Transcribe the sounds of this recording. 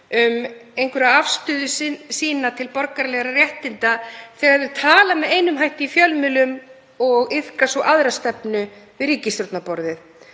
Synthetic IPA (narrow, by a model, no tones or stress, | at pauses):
ʏmejŋkʰvɛɾaafst̪ʏðʏssiːnat̪ʰɪlpɔɾkaɾlɛɣɾarjɛht̪ɪnt̪aθɛːɣaðʏt̪ʰaːlamɛðeːjnʏmɦajht̪ɪifjœlmɪlʏm | ɔɣɪð̥kasɔʔaðɾast̪ɛpnʏvɪðɾiːcɪst̪ɾɔt̪napɔɾðɪθ